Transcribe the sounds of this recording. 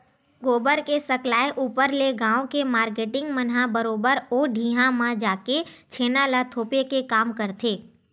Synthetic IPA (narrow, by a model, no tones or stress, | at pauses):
ɡoːbəɾkesəklaːeʔuːpəɾleɡãːõkemaːɾkeːʈɪ̃ŋɡmənɦãbəɾoːbəɾoːɖʱiːɦãmãd͡ʒaːket͡ʃʰeːnalat̪ʰoːpekekaːmkəɾt̪ʰeː